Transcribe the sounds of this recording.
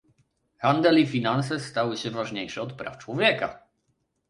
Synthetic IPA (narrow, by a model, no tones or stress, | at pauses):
xand̪ɛlifʲinans̬ɛst̪awɘɕɛvaʐɲejʂɛɔt̪pɾa̰ft͡ʂwɔvʲjɛka̰